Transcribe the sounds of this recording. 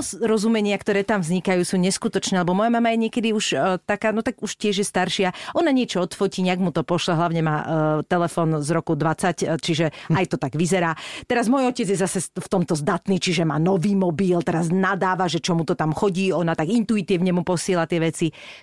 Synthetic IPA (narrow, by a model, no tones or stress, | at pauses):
zɾɔzumɛɲɪakt̪ɔɾɛːt̪amvzɲikajuːsuːɲɛskut̪ɔt͡ʃnɛːlɛbɔmɔjamamajɛɲɪɛkɛd̪iuʃt̪akaːnɔt̪aɡuʃcɪɛʒjɛst̪aɾʃɪaʔɔnaɲɪɛt͡ʃɔɔt̪fɔciːɲaɡmut̪ɔpɔʃlaɦlaʊɲɛmaːt̪ɛlɛfɔːnzɾɔkud̪ʋat͡sact͡ʃiʒɛajt̪ɔt̪aɡʋizɛɾaːt̪ɛɾazmɔjɔcɛd͡zjɛzasɛft̪ɔmt̪ɔzd̪at̪niːt͡ʃiʒɛmaːnɔʋiːmɔbiːlt̪ɛɾaznad̪aːʋaʒɛt͡ʃɔmut̪ɔt̪amxɔɟiːɔnat̪aɡint̪uit̪iːʊɲɛmupɔsɪɛlat̪ɪɛʋɛt͡si